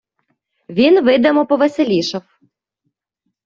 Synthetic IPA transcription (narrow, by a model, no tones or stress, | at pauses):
ʋʲinʋɪd̪ɛmɔpɔʋeselʲiʃɐw